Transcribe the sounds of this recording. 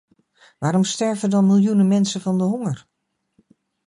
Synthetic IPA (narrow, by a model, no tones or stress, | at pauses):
ʋaːɾɔmstɛɹvədɔnmɪlˠjunəmɛnsəvɔndəɦoŋər